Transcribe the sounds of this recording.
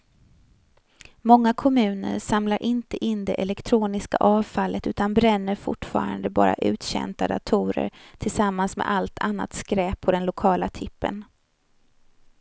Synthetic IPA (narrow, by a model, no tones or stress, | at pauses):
mɔŋːakʰɔmʉ̟ːnə̰ɾʂamlaɾʔɪnt̪əʔɪnd̪ɛʔɛlɛkt̪ʰɾuːnɪska̰ʔɑːvfalːət̪ʉ̟ːt̪anbɾɛnːəɾfʊʈːfɑ̰ːɾand̪əbɑ̰ːɾa̰ʔʉ̟ːt̪ɕɛ̰nt̪ad̪at̪ʰuːɾə̰ɾt̪ʰɪlsamːansmɛ̰ʔalt̪ʰanːa̰t̪skɾɛːpʰːɔd̪ɛnlʊkʰɑːlat̪ʰɪpːə̰n